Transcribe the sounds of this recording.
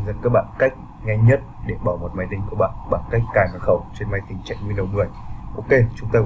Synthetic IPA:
zə̰˨˧˥nkaː˦˥k̚ɓa̰ː˧˨nka˦˥k̟̚ | ŋɛ˧ɲə˦˥t̚ɗe˧˩ɓaː˨˩wmo˨˩t̚ma˨˧˩jt̪ï˧˩ŋ̟ku˧˩əɓa̰ː˧˨nɓaː˧˩nka˦˥jk̟̚kaː˨˩ma˨˩xə˧˩wt͡ɕe˧nma˧jt̪ï˨˩ŋ̟t͡ɕa̰˧˨jŋ̟ŋwi˧nɗə˨˩wmɨ˨˩əjʔo˧ke˧t͡ɕʊ˨˦ŋ͡mt̪aː˧

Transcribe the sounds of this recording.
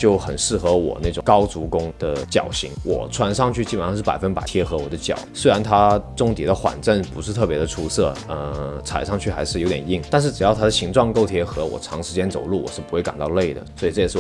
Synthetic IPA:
t͡ɕjo˥˩ʊxə̰˨˩nʂɻ̩˥˩xɤ˧˥wɔ̰˨˩na˥˩ɪʈ͡ʂʊ˨˩ŋkɑ˥ʊt͡su˧˥kʊ˥ŋd̪̥ə˧t͡ɕjɑ̰˨˩ʊɕḭ˧˥ŋwʔɔ̰˨˩t͡sʰwa˧˥nʂɑ˥˧ŋt͡ɕʰy˥˩t͡ɕi˥pʂɑ˥˧ʂ̩˥˩pa˨˩ɪfə˥npa˨˩ɪt̪ʰjɛ˥xɤ˧˥wɔ˨˩d̪ə˦t͡ɕjɑ̰˨˩˦ʊswe˥a˧˥nt̪ʰa˥ʈ͡ʂʊ˥ŋt̪i˨˩d̪ə˦xwa̰˨˩nʈ͡ʂə˥˩npu˧˥ʂɻ̩˥˧t̪ʰɤ˥˩pjɛ˧˥d̪ə˧ʈ͡ʂʰu˥sɤ˥˩ə˧t͡sʰa˨˩ɪʂɑ˥˧ŋt͡ɕʰy˥˩xa˧˥ɪʂɻ̩˥˩o˧˥t̪jɛ˨˩ni˥˩ŋt̪a˥˧nʂ̬ɻ̩˥˩ʈ͡ʂɻ̩˨˩jɑ˥˩ʊt̪ʰa˥d̪ə˨ɕi˧˥ŋʈ͡ʂwɑ˥˧ŋko˥˧ʊt̪ʰjɛ˥xɤ˧˥wɔ̰˨˩ʈ͡ʂʰɑ˧˥ŋʂɻ̩˧˥t͡ɕjɛ˥nt͡so˨˩ʊlu˥˩wɔ˨˩ʂɻ̩˥˩pu˧˥we˥˩ɪka̰˨˩nt̪ɑ˥˧ʊle˥˩ɪd̪ə̰˩swɔ˧˥i˨˩ʈ͡ʂɤ˥˩ɛ˨˩ʂ̩˥˩

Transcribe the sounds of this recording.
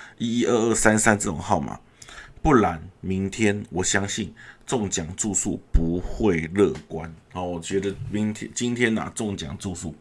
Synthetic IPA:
i˦˥i˥ʔə˥˧ə˥˩sa˥nsa˥˦nt͡sɤ˥˩ʊ̰˨˩ŋxɑ˥˨ʊma̰˨˩ | pu˥˩la˨˦nmi˨˦˥nt̪ʰjɛ˥nwɔ˨˩ɕjɑ˦˥ŋɕi˥˨nt͡sʊ˥˨ŋt͡ɕja˨˩ŋt͡su˥˧sṵ˥˩pu˨˦xwe˥˨ɪlɤ˥˨˩kwa˦nhɔ˨˩wɔ˨˩t͡ɕɥɛ˧˥d̪ə˧mi˨˦ŋt̪ʰjɛ˦t͡ɕi˦nt̪ʰjɛ˦˥na̰˨˩t͡sʊ˥˨ŋt͡ɕja̰˨˩ŋt͡su˥˧sṵ˥˩

